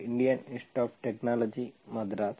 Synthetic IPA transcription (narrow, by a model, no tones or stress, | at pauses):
iɳɖijɐnisʈoːpʈeknaːlɐd͡ʑimɐd̪ɾaːt̪